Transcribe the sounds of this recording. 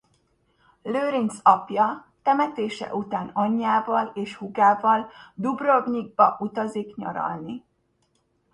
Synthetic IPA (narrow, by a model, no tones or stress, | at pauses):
løːɾinsɒpjɒt̪ɛmɛt̪eːʃɛ̰ʔut̪aːnɒɲːaːvɒleːʃhuɡaːvɒld̪ubroɡɲiɡ̚bɒʔut̪ɒzikɲɒ̰ɾɒ̰lni